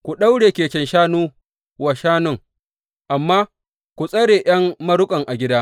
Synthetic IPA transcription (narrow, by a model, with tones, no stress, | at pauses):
kʷu˨ɗa˦wɽeː˨kʲeː˨kʲɛ˨nʃaː˦nuː˦ | wa˨ʃaː˦nʊ˦ŋ | ʔa˨mːaː˦ | kʷu˨sʼɐ˦ɽeː˨j̰ɐ˦ŋːɐ˦ɾʊ˦kʼɐ˨ŋʔa˨ɡʲɪ˦daː˦